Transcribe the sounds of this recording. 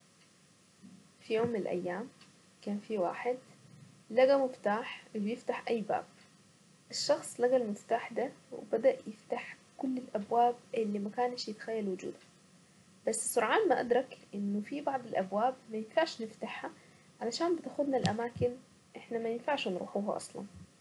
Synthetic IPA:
fijoːmːɪnɪlʔæ̰jːaːm | kaːnfiwaːħɪd̪ | laɡamʊft̪aːħbɪjɪft̪aħʔajːba̰ːb̚ | ʔɪʃːɑxsˤlaɡalmʊt̪ːaħd̪awɪ̰bad̪aʔjɪft̪aħ | kʊlːɪlʔabwaːbʔɪlːimakaːnʃjɪt̪ḁxæjːælwʊd͡ʒṵːd̪a | b̥asːɪsʊɾˤʕɑːnmaʔa̰d̪ɾˤɑkʔɪnːʊfibɑʕd̪ˤɪlʔabwaːbmæjɪnfaʕʃnɪft̪aħha | ʕalaʃaːnbɪt̪axʊd̪nalʔamaːkɪn | ʔɪħnamæjɪnfaʕʃnɾṵːħuːɦa̰ʔɑ̰sˤlɑ̰n

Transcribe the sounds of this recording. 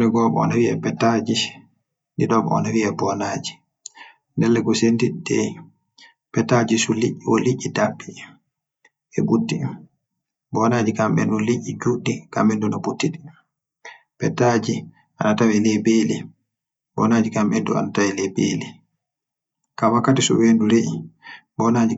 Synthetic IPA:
lɛɡɔɓɔ̰ɔ̰nawiɛpɛtːad͡ʒi | ndiɗɔɓɔ̰ɔ̰nawiɛbɔnaːd͡ʒi̥ | ndɛlːɛɡɔsendiɗdɛ̰ | pɛtːad͡ʒisuliʔiɔliʔːidapːi | ɛbutːi | bɔnad͡ʒikambɛ̰nduliʔːid͡ʒuɗːika̰mbɛndunɔbutːiɗi | pɛtːad͡ʒi | ʔanatawilɛbeli | bɔ̰naːd͡ʒikamɓɛndṵa̰natawilɛbḛli | kawakːatisṵwenduɾeʔibɔnaːd͡ʒi

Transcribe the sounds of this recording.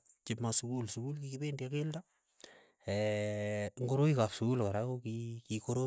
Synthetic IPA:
t͡ʃɪpmasukulsukulkikibendjakelda | ɛ | ŋɡoɾoikapsukulkaɾakokikikoɾo

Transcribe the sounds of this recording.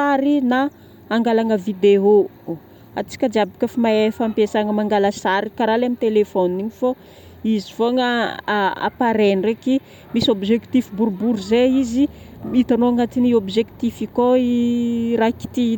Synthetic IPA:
aɾinaː | ŋɡalaŋəvid̪eo | at͡si̥kʲəd͡ʒabikʲəfimaefampesaŋəmaŋɡaləsaɾikaɾalamit̪elefoniɲifo | izifoŋə | a̰paɾenreki | misobiʒekt̪ifibuɾbuɾuzeizimit̪anoaŋat̪iniobizekt̪ifikoiɾaki̥t̪i

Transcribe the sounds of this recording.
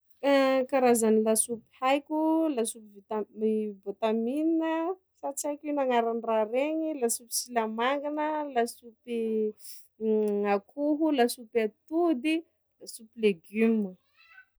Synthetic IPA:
kaɾazanilasupi̥hajkʲulasupivit̪aivot̪amininə | sat͡sajkunaŋaɾanraɾeɲilasupi̥silamaŋɡanəlasupi | akʰuɦulasupat̪ud̪i | lasupileɡumu

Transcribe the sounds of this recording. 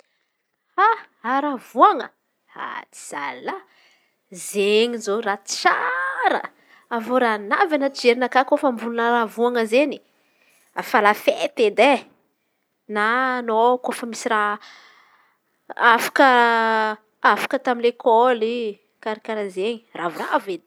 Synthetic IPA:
ha | aɾavuaŋə | a̰t͡si̥z̥a̰la | zeɲizorḁt͡ʃaɾə̰ | avoɾanavanət͡sid͡ʒeɾinakakofəmbulunaɾavuaŋəzeni | afalafet̪ed̪e | nanokofəmisiɾa | afḁkə | afḁkət̪aminlekʰoli | kaɾikaɾazeɲiravuraved̪

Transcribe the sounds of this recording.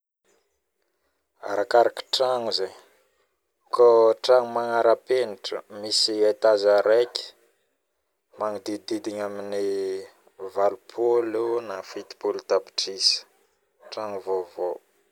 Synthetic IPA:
a̰ɾakaɾaki̥ʈ͡ʂaŋuzeɲ | koʈ͡ʂaŋumaŋaɾapeniʈ͡ʂə̰misiajt̪azaɾekʲi̥ | maŋid̪id̪id̪iɲamini | valupʰolunafit̪i̥polut̪api̥ʈ͡ʂisə̥ | ʈ͡ʂaŋuvovo

